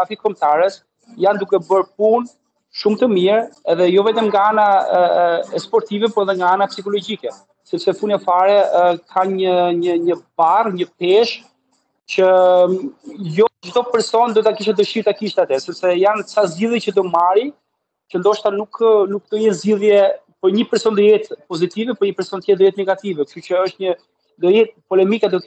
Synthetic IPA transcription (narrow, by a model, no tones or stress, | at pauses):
afikɔmt̪aɾɛs | jand̪ukɛbəɾp̚un | ʃumt̪əmiɾɛðɛjɔvɛt̪ɛmŋɡaana | ɛspɔɾt̪ivɛpɔɛðɛŋɡaanapsikɔlɔd͡ʑikɛ | sɛpsɛfunɛfaɾɛkʰaɲəɲəɲəbarɲəpɛʃ | t͡ɕə | jɔd͡ʒd̪ɔpɛɾsɔnɛd̪ɔt̪akiʃ̬ɛd̪əʃiɾt̪akiʃt̪ɛat̪ɛsɛpsɛjanksazɟiðjɛt͡ɕəd̪ɔmaɾi | t͡ʃənd̪ɔʃt̪anuknuk̚d̪əjɛnziðjɛ | pəɾɲəpɛɾsɔnt̪əjɛt̪pɔzit̪ivɛpəɾɲəpɛɾsɔnt̪əjɛt̪d̪əjɛt̪nɛɡat̪ivɛkʃt̪ucəəʃt̪ɲə | d̪ɔjɛt̪̚pɔlɛmikɛd̪ɔ